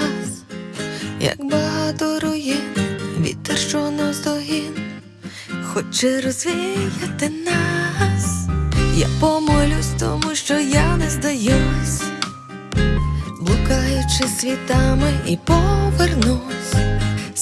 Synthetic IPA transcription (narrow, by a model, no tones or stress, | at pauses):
as | jɐ̰kbɐɦat̪ɔɾʊjɪnʋʲḭt̪̚t̪ːɐrʃt͡ʃɔnazd̪ɔɦin | xɔt͡ʃɛɾɔzʋʲijɐt̪ɪnasja̰pɔmɔlʲʊsʲt̪ɔ̰muʃt͡ʃɔjanɛzd̪ɐjusʲ | blˠʊkajʊt͡ʃɪsʲʋʲit̪amɪipɔʋɛrnusʲ